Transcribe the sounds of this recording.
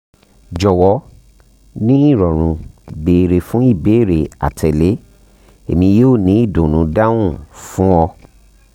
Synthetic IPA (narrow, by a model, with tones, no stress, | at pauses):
d͡ʒɔ˨wɔ˨˧˦ | nĩ˦i˦˨ɾɔ˨ɾ̃ũ˧˨be˨ɾe˨fũ˨˦i˦˨be˨˦e˦˨ɾe˨a̰˨tʰɛ˨le˨˦ | e˨mĩ˧joː˦˨nĩ˨˦i˦˨dũ˨nũ˨˦da˦wũ˦˨fũ˨˦ɔ˧